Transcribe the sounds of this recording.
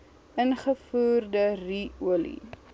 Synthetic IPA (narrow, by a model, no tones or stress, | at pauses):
ənχəfuːrdəriuəlḭ